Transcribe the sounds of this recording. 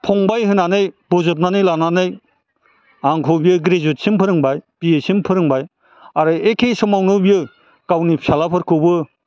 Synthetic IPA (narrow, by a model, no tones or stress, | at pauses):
pʰɔŋbajɦɯnanɯjb̥ɔzɯt̬̚nanɯjlananɯj | aŋkʰɔbijɯɡɾezut̚simpʰɯɾɯŋbajb̥ijesimpʰɯɾɯŋbaj | aɾɯekʰejsɔmawnɯbijɯ | kawnipsalapʰɯɾkʰɯbɯ